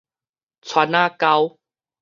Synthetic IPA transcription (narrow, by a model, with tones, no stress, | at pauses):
t͡sʰwa˧˥naː˥˧ka˧˦w